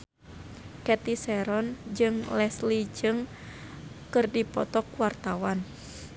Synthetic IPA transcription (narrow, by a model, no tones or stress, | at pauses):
kɛt̪isɛɾɔnd͡ʒɨŋlɛslid͡ʒɨŋ | kɨrdipɔt̪ɔkwart̪awan